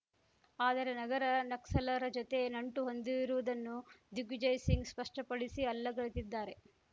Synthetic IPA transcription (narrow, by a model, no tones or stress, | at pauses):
aːd̪ɐɾe̞nɐɡɐɾɐnɐksɐlɐɾɐd͡ʒot̪e̞nɐɳʈuɦo̞nd̪iʋiɾuʋud̪ɐnːud̪uɡd͡ʒɐjsiŋɡspɐʂʈɐpɐɽisiɐlːɐɡɐɭit̪id̪ːaːɾe̞